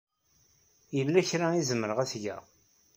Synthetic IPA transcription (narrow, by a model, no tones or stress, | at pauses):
jəlːæçɾaizəmːəɾəʁæsʝæ̰